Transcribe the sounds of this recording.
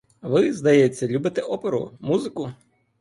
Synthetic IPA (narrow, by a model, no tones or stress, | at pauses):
ʋɪzd̪ɐjet͡sʲːɐlʲubɪt̪eʔɔpeɾʊ̰muzɪkʊ